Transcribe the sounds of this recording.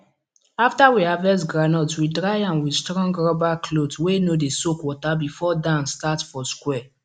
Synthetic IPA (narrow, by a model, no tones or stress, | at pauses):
aftawiavɛsɡɹanɔtwidɹajãnwistɹɔ̃ŋɡɹɔbakʰlodwenodesokwɔtabifɔdãnstatfɔskwɛ